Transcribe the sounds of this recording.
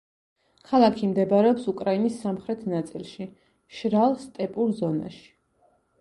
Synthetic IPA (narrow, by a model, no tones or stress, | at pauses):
kʰalˠakʰimd̪ɛbaɾɛɔpsukʼɾainisːamχɾɛt̪ʰnat̪sʼilˠʃi | ʃɾalˠst̪ʼɛpʼuɾzɔna̰ʃi̥